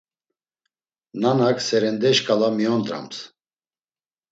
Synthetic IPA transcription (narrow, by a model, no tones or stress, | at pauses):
nanakʰsɛɾɛnd̪ɛʃkʼalamiɔnd̪ɾa̰ms